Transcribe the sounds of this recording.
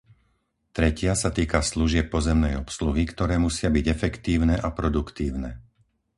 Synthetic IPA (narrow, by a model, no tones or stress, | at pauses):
t̪ɾɛcɪasat̪iːkasluʒɪɛp̚ːɔzɛmnɛjɔpsluɦikt̪ɔɾɛːmusɪabiɟɛfɛkt̪iːʊnɛʔapɾɔd̪ukt̪iːʊnɛ